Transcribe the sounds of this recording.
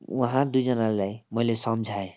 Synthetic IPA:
wɔɦãd̪ujd͡ʒʌnaɾulajmʌilesʌmd͡ʒʱae

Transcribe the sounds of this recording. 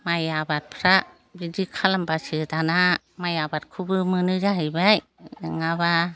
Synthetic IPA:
majabat̚pʰɾa | bidikʰalambasɯtana | majabat̚kʰubɯmɯnɯzaɦibaj | ŋaba

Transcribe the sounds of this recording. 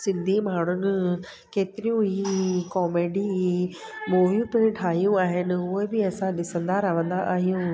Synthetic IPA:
sɪ̃nd̪ʱimaːɽ̤ʊnɪ̆ | keːt̪ɪɾijũɦikɔːmeːɖi | moːʋjũpeʈʰaːɦijũaːɦɪnɪ̆ɦʊɦebɪɐsãɗɪsə̃nd̪aɾɐʋə̃nd̪aʔaːɦijũː

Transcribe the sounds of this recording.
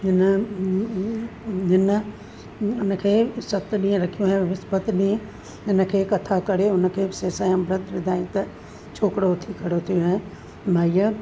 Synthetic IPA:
d͡ʒɪn | d͡ʒɪn | ʊnkʰeːsɐt̪ːɗiẽɾɐkʰijõɦɛ̃ʋɪspət̪ɗiẽ | ɪnkʰeːkɐt̪ʰakɐɽeʊnkʰeːseːsajə̃bɾət̪ʋɪd̪ʱaːɪt̪ | t͡ʃʰoːkɽot̪ʰikɐɽot̪ʰijõɦɛ̃ | maːjə

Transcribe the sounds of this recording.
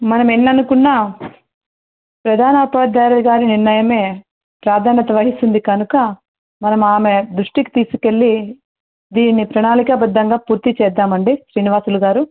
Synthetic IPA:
mɐnɐmenːɐnukunːaː | pɾɐd̪ʱaːnɐɐpɐad̪ʱaːɾɐlɡaːɾiniɾnɐjɐme̞ː | pɾaːd̪ʱaːnɐt̪ɐʋɐɦisund̪ikɐnukɐ | mɐnɐmaːmed̪ɾuʂʈiki̥t̪iːsu̥ke̞ɭːi | d̪iːnːipɾɐɳaːlikɐbɐd̪ːɐŋɡaːpuːɾt̪it͡ʃɛːd̪ːaːmɐɳɖiʃɾiːniʋaːsuluɡaːɾu

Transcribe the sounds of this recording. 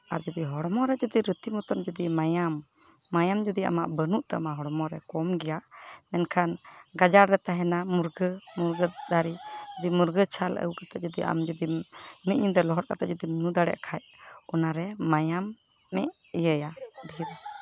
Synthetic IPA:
aɾd͡ʒɔd̪iɦɔɽmɔɾɛd͡ʒɔd̪iɾut̪imɔt̪ɔnd͡ʒɔd̪imajamː | ajamd͡ʒɔd̪ia̰maʔbənuʔt̪amaɦɔɽmɔɾɛkɔmɡɛjamɛnkʰanɡad͡ʒaɾɾɛt̪aɦɛnamuɾɡəmuɾɡəd̪aɾid͡ʒɔd̪imuɾɡət͡ʃʰalə̰wkat̪ɛʔ̚d͡ʒɔd̪iʔa̰md͡ʒɔd̪imniʔ̚ɲid̪ɛlɔɦɔɾ̚kat̪ɛʔ̪̚d͡ʒɔd̪imnud̪aɽɛ̰ʔkʰaj | ɔnaɾɛmajamː | ɛ̰ʔ | ijəjaɖiiɾɛ

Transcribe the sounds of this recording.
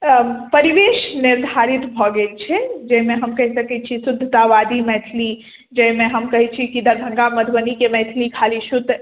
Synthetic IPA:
pəɾiʋeʃniɾd̪ʱaɾit̪bʱɔɡelt͡ʃʰɛd͡ʒəɦimeɦəmkəɦisəkɛt͡ʃʰisud̪ʱːt̪aʋad̪imɛt̪ʰli | d͡ʒəimeɦəmkəɦɛt͡ʃʰikid̪əɾbʱə̃ŋɡaməd̪ʱbənikemɛt̪ʰlikʰalisut̪

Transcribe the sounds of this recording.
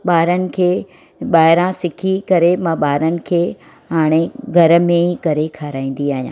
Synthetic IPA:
ɓaːɾənɪ̆kʰeː | ɓaːɦɪɾãsɪkʰikɐɾemãɓaːɾənɪ̆kʰeː | ɦaːɽ̃eɡʱɐɾə̆mẽikɐɾekʰaːɾaːĩːn̆d̪iaːɦijã̰ː

